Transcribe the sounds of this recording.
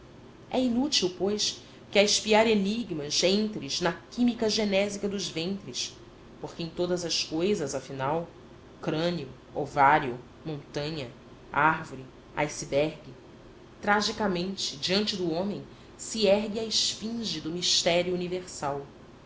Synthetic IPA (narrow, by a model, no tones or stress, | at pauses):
ɛinut͡ʃiwpojʃ | kɪɐiʃpiaɾeniɡmɐzẽnt̪ɾɪznɐkimikɐʒenɛzikɐd̪ʊzvẽnt̪ɾɪs | poχkɪẽj̃t̪od̪ɐzɐskojzɐzɐfinaw | ukɾɐ̃niʊ | ovaɾjʊ | mõnt̪ɐ̃ɲɐ | aɾvoɾi | a̰jsibɛɾɡɪ | t̪ɾaʒikɐmẽnt͡ʃɪd͡ʒiɐ̃nt͡ʃɪd̪ʊõmẽj̃ | siɛɦɡɪaɪʃfĩʒɪd̪ʊmiʃt̪ɛɾjuːniveχsaw